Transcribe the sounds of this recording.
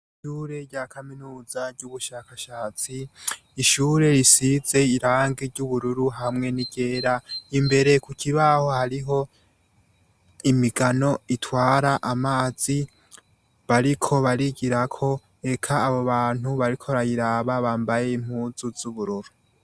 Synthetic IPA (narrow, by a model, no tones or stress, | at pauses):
iʃuːɾe̞ɾɟakʰaminuːzaɾɟuβuʃakaʃaːt͡siː | ʃuːɾe̞ɾisize̞iɾaːŋɡiɾɟuβuɾuɾuɦamŋe̞niɡ̥e̞ːɾaimbe̞ɾe̞kukʰiβaho̞haɾiɦo̞ | imiɡano̞itwaːɾaʔamaːz̥i | βaɾikʰo̞βaɾiɡiɾakʰo̞ | e̞kʰaːβo̞βaːn̥huβaɾikʰoɾajiɾaːβaβaːmbaje̞im̥huːzuz̥uβuɾuɾu